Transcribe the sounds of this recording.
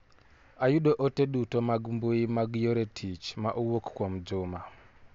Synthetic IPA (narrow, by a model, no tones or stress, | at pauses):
ajuɗoʔoteɗutomaɡmbuimaɡjoɾetʰit͡ʃma̰ʔuwokkwom̩d͡ʒuma